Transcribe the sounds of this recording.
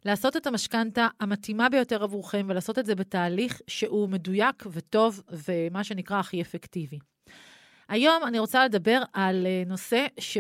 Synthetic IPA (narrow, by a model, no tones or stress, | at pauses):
laːso̞te̞tamaʃkantaːmatimabe̞jo̞te̞ʁavuʁχemvelaːso̞tetze̞betaːliχʃeʔume̞dujakveto̞vvemaʃe̞nikʁaːχiefektivi | ʔajo̞maniʁo̞t͡sale̞dabe̞ʁalno̞se̞ʃ